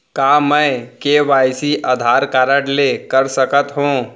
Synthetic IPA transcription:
kaːmɛ̃ːkeʋaːjsiʔaːd̪ʱaːɾkaːɾəɽlekəɾsəkət̪ɦũː

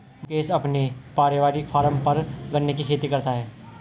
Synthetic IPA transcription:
keːsɐpnepaːɾɪʋaːɾɪkpʰaːɾəmpɐɾɡɐnːekikʰeːt̪ikɐɾt̪aɦɛː

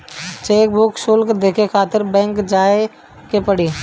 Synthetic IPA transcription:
t͡ʃeːk̚bʊksʊlkd̪eːkʰekʰaːt̪ɪɾbɛ̃ːŋkd͡ʒaːe | kepəɽiː

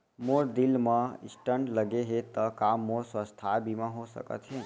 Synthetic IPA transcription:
moɾd̪ɪlmə̃ɪ̰sʈəɳɖləɡeɦet̪əkamːoːɾswəst̪ʰabʱimãɦosə̰kə̰t̪ɦẽː

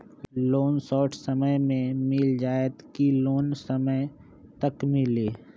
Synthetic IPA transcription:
loːnsɔːʈʰsəməjmẽmɪld͡ʒaːət̪kiloːnsəmə | t̪ɐkmɪliː

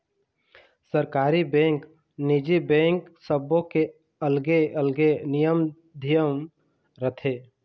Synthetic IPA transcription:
səɾkaːɾibɛ̃ːŋk | nid͡ʒibɛ̃ːŋksəbõke | əlɡeəlɡenijəm | d̪ʱijəm | ɾət̪ʰe

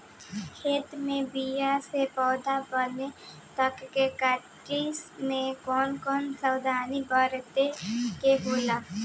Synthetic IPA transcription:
heːt̪mẽbijasepɔːd̪abəne | t̪əkkekəʈisnekɔːnkɔːnsəwd̪ʱaːnibaɾt̪ekeɦoːla

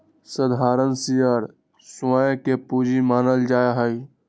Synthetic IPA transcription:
səd̪ʱaːɾənsijəɾ | sãkepud͡ʒimaːnəld͡ʒaːeɦəj

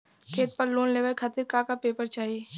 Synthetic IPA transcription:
kʰeːt̪̚pɐɾloːnleːʋəɾkʰaːt̪ɪɾkakapeːpəɾt͡ʃaːɦieː

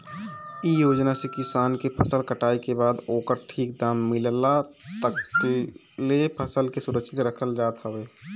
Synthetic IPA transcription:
ijoːd͡ʒnasekɪsaːnkepʰəsəlkəʈaːikebaːd̪oːkəɾʈʰiːkd̪aːmːɪlla | t̪ək | lepʰəsəlkesʊɾəkʃʰɪt̪ɾəkʰəld͡ʒaːt̪ɦəʋeː

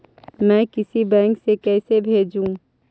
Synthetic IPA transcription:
mɛ̃kɪsibɛ̃ːŋksekɛːsebʱeːd͡ʒũ

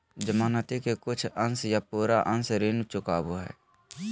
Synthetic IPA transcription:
d͡ʒəmaːnət̪ikekʊt͡ʃʰənsjapuːɾaʔənsɾeːnt͡ʃʊkaːbuɦɛ̰ː

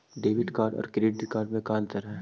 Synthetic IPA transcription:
ɖeːʋɪʈkaːɾɖɔ̰ːɾkɾeːɖɪkaːɾɖmẽkaːnt̪ɐɾɦɛ̃

